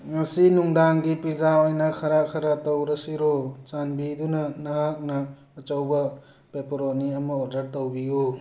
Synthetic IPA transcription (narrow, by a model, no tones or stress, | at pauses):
mɐsinuŋdaŋɡipɾizaojnɐkʰɐɾakʰɐɾatowɾɐsiɾot͡ʃanbidunɐnɐɦak̚nɐː | t͡ʃɐwbɐ | pepoɾoniɐmɐoɾdɐɾtowbijo